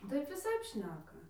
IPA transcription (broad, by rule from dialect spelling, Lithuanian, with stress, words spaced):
ˈtɐɪp ʋʲɪˈsɐɪp ˈʃʲnʲæːkɐ